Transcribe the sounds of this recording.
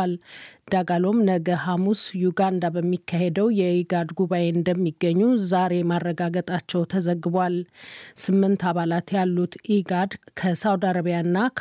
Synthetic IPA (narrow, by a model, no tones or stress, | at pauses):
ld̪̥aɡalo̞mnəɡəhamusjuɡand̪abəmːikːahed̪əwjɛiɡad̪ɡuβajeɨnd̪əmːiɡːəɲːuzaɾe̞marːəɡaɡət̪ʼat͡ʃːɛwt̪ʰəzəɡːɨbwalsɨmːɨnt̪aβalat̪jalːut̪ʔiɡad̪kʰəsawd̪aɾəβijanːakʰ